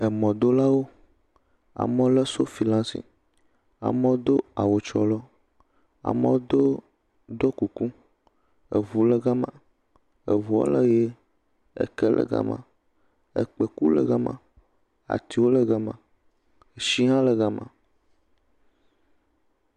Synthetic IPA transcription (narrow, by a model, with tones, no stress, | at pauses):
ɛ˨mɔ̃˨d̪o˦la˦wo˦ | a̰˨mɛ̃˦lɛ˦so˦fi˨lã˦sḭ˨ | a̰˨mɛ̃˦d̪o˦a˨wo˨t͡ʃɔ˨lɔ˦ | a̰˨mɛ̃˦wd̪o˦ | d̪o˦ku˨ku˦ | e˨vu˨lɛ˦ɡa˦mã̰˨ | e˨vu˨o̰˦lə˦je˦ | ḛ˨kɛ˦lʔɛ̰˦ɡa̰˦mã̰˨ | ḛ˨k͡pe˨ku˦lɛ̰˦ɡa˦mã̰˨ | a̰˨t̪i˨wo˦lɛ˦ɡa˦mã̰˨ | e˨ʃi˦ɦã˦lə˨ɡa˦mã̰˨